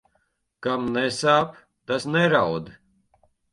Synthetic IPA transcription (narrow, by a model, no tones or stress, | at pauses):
kamnɛsaːp | t̪asnɛɾawd̪